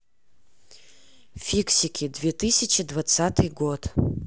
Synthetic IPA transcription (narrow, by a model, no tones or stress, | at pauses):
fʲiksʲɪkʲɪd̪vʲɛt̪ɨsʲɪt͡ɕɪd̪vat̪sat̪ɨjɡot̪